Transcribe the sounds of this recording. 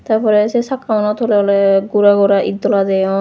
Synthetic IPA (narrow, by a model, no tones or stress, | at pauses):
t̪aɹpʰɔɾɛsɛsakːamɔnɔt̪ʰolɛɔlɛɡuɾaɡɔɾaʔid̪ɔlazajɔ